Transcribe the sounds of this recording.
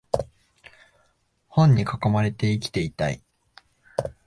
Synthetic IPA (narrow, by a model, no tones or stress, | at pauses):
hõ̞ɲ̟ːikako̞maɾe̞t̪e̞ikʲi̥t̪e̞it̪a̰ḭ